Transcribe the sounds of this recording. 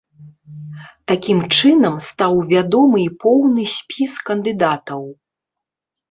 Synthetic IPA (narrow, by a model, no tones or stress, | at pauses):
t̪akʲimt͡ʂɨnɐmst̪awvʲad̪ɔmɨipɔwnɨsʲpʲiskɐnd̪ɨd̪at̪ɐw